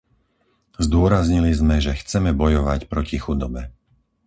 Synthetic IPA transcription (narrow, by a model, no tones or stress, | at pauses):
zd̪ʊɔɾazɲilizmɛʒɛxt͡sɛmɛbɔjɔʋacpɾɔcixud̪ɔbɛ